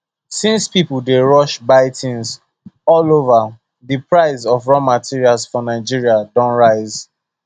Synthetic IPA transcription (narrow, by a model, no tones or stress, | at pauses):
sĩnspipʊldeɹɔʃbaɪtʰĩnz | ɔlova | ðipɹaɪzɔvɹɔmatʰiɹialzfɔnaɪd͡ʒiɹiadɔ̃nɹaɪz̥